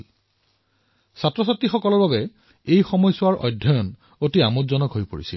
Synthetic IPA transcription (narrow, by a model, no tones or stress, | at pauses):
satɹɔsatːixɔkɔlɔɹbabɛ | ejxɔmɔjsʊwaɹɔ̰jdʱːɔjɔn | otiamutzɔnɔkɦojpoɹisḭl